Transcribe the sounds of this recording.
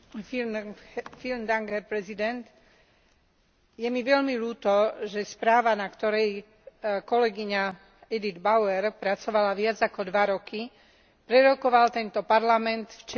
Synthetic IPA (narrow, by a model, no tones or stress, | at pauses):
filmd̪aŋɡɛɾpɾɛzid̪ɛnt̪ | jɛmiʋɛʎmiluːt̪ɔʒɛspɾaːʋanakt̪ɔɾɛj | kɔlɛɡiɲa | ɛd̪id̪baʊɛɾpɾat͡sɔʋalaʋɪad͡zakɔd̪ʋaɾɔki | pɾɛɾɔkɔʋalt̪ɛnt̪ɔpaɾlamɛnt̪ft͡ʃ